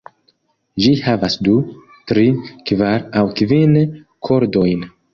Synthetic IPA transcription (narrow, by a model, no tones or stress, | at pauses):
d͡ʒihavasdu | tɾikvaɾawkvin | kʰo̞ɾdo̞jn